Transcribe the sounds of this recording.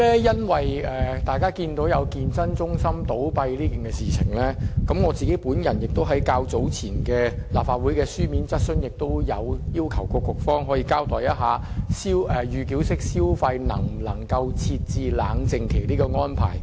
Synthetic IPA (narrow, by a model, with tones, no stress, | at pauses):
lɛː˥jɐ˥nwɐ˨jɛ˨t̪aː˨jkaː˥kiː˧nt̪o˨˥wjɐ˨˧wkiː˧nt͡sɐ˥nt͡sʊ˥ŋsɐ˥mt̪o˨˥wpɐ˧jliː˥ki˨˩nkɛː˧siː˨t͡sʰɪ̰˨˩ŋlɛ˥kɐ˨˥mŋɔː˨˧t͡siː˨ke˨˥jpuː˨˥njɐ˨˩njɪ˨k̚t̪o˥wɦɐ˨˥jkaː˧wt͡so˨˥wt͡sʰiː˨˩nkɛː˧laː˨˩pfaː˧t̚wuː˨˥jkɛː˧syː˥miː˨˥nt͡sɐ˥t̚sɵ˥njɪ˨k̚t̪o˥wjɐ˨˧wjiː˥wkʰɐ˨˩wkɔː˧kʊ˨˩k̚fɔː˥ŋɦɔː˨˥jiː˧kaː˥wt̪ɔː˨˩jɐ˥t̚ɦaː˨˧ | siː˥wʔɛː˨˩jyː˨ki˨˥wsɪ˥k̚siː˥wfɐ˧jnɐ̰˨˩ŋm̩˨˩nlɐ˨˩ŋkɐ˧wt͡sʰiː˧t̚t͡siː˧laː˨˧ŋt͡sɪ˧ŋkʰe˨˩jliː˥kɔː˧ŋɔː˥npʰa̰ː˨˩j